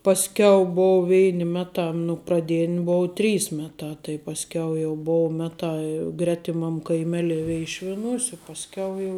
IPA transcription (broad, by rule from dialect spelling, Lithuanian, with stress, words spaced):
pɐsʲˈkʲɛʊ ˈboːʊ ˈʋʲɛɪnʲ ˈmʲæːˌtɑː nʊ prɐˈdʲeːnʲ ˈboːʊ ˈtʲrʲiːs ˈmʲæːˌtɑː tɐɪ pɐsʲˈkʲɛʊ jɛʊ ˈboːʊ ˈmʲæːtɑː ɪ ˈɡrʲæːtʲɪmɐm kɐɪˈmʲæːlʲɛɪ ˈʋʲɛɪʃʲʋʲɪnuːsʲ ɪ pɐsʲˈkʲɛʊ jɛʊ